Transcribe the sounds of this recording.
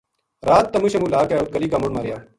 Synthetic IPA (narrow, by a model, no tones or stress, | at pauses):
ɾaːt̪ːɐmuʃemulaːkaːʊt̪̚kɐliːkamʊɽmaːɾɪjaː